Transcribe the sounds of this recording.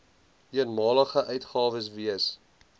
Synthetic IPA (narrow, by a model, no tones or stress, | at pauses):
iənmɑːləχəʔœɥtχɑːvəs̬viəs